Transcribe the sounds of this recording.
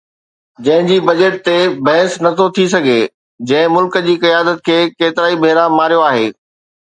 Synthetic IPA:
d͡ʑɐ̃ɦɪ̃d͡ʑiːbɐd͡ʑəʈ̚t̪ebɐɦɪsnɐt̪ʰot̪ʰisɐɡʱe | d͡ʑɐ̃ɦɪ̃mʊlkəd͡ʑiːkɐjaːd̪ət̪̚kʰeːkeːt̪ɪɾaːibʱeːɾamaːɾijoaːɦeː

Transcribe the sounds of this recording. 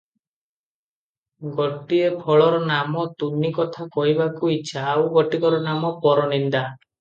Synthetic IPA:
ɡɔʈiepʰɔɭɔɾɔnamɔt̪unikɔt̪ʰakɔɦibakuit͡ʃʰaːwɡɔʈikɔɾɔnamɔpɔɾɔnind̪a

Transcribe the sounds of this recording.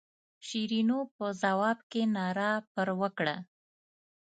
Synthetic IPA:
ʃiɾinopəzawɑbkenɑɾɑpəɾwəkɽa

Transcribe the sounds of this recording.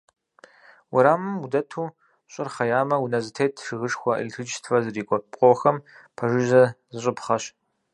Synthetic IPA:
wʊɾaːmɨmudɐtʰuː | ɕʼɪrχɐjaːmɐwunɐzɨtʰeːtʰʂɨɣɨʂxʷɐʔḭlɬʰɨt͡ʃtʰfɐzɨriːkʷʼɔqʷʼɔxɐm | pʰɐʒɨʒɐzɨɕʼɪpχɐɕ

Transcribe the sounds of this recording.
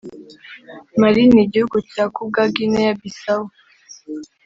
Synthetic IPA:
maɾiniɟihuɡucaːkub̚ɡaɡinejabisawo

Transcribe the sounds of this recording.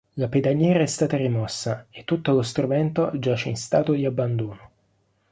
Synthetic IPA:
laped̪aɲjɛːɾaɛst̪aːt̪arimɔsːaet̪ːut̪ːolost̪ɾumɛnt̪od͡ʒaːt͡ʃeinst̪aːt̪od̪iabːand̪oːno

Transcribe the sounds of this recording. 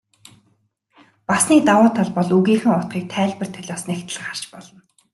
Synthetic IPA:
pasniːk̚t̪awaːt̪ʰaɮpɔɮuɣiːxɘ̆ŋʊt̪ɢiːk̚t̪ʰæːɮʲpə̆r̥t̪ʰœɮʲɔːsnekt̪ə̆ɮ̆χar̥t͡ɕpɔɮɞ̆n

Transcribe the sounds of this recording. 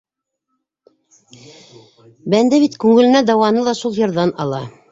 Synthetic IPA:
bænd̪æβit̪kʉŋɘ̆lɘ̆næd̪ɑwɑnɤlˠɑʃulˠjɤ̆ɾðɑnɑlˠɑ

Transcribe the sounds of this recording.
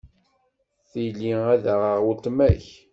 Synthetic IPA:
θijlːiæðəʁəʁwult̪mæç

